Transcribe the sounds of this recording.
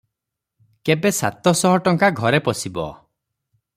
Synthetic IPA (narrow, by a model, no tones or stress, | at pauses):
kebesa̰t̪ɔsɔɦɔʈɔŋkaɡʱɔɾepɔsibɔ̰